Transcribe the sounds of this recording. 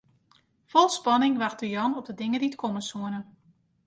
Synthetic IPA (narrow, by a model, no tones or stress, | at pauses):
fɔlˠspɑnɪŋʋaxtəjɑnɔp̚dədɪŋəditkʰɔməsuənə